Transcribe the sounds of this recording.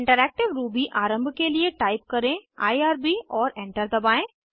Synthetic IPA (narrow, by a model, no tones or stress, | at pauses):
ɪ̃ɳʈəɾɛːk̚ʈɪʋɾuːbiʔaːɾə̃mbʱkelieʈaːɪp̚kɐɾẽa̰ːiaːɾbiɔːɾɛ̃ːɳʈəɾd̪ɐbaːẽː